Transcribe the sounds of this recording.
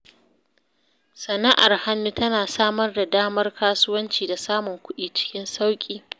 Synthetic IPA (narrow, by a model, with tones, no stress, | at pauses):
sɐ˨na˦ʔa˨rha˦nːu˦tɐ˦naː˨saː˦mɐ˦rda˨daː˦mɐ˦rkaː˦sʊ˦wɐ˦nt͡ʃiː˨da˨saː˦mʊ˨ŋkʷʊ˦ɗiː˨t͡ʃɪ̥˦kʲɪ˦nsa˦wkʲʼiː˦